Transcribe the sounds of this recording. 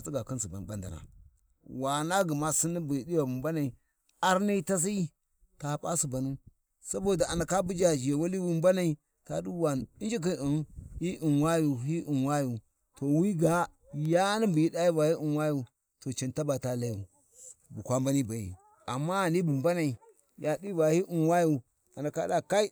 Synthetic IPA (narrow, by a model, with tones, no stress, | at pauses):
a˨t͡si˦ɡa˨ki˦nsu˨ba̰˨n˨ba˦nda̰˨na̰˨ | wa˨na˦ɡi˨ma˦si˦ni˦bu˨ji˨di˦wa˨bu˨mba˦na˨i˨ | a˨ɾni˦ta˦s̬i˦ | ta˨pʼa˦si˨ba˨nu˦ | sa˦bo˨da˨a˨na˨ka˦bu˦d͡ʒa˨d͡ʒi˨je˨wa˦li˦wu˦mba˦na˨i˨ | ta˨du˦wa˨ni˦nd͡ʒi˦k̬i˦i˨nu˦hi˦ʔi˨nwa˦ju˨ɦi˦ʔi˨nwa˦ju˨ | to˨wi˦ɡa˦ | ja˦ni˦bu˨ji˦da˦ju˦va˨hi˦ʔi˨nwa˦ju˨ | to˨t͡ʃe˨nta˦ba˨ta˦la˦ju˨ | bu˨kʷa˦mba˦ni˦ba˨jḭ˨ | a˨mːa˦a˨ni˦bu˨mba˦na˨i˨ | ja˨di˦va˨hi˦ʔu˨nwa˦ju˦˨ | a˨na˨ka̰˦da˨ka˦i˦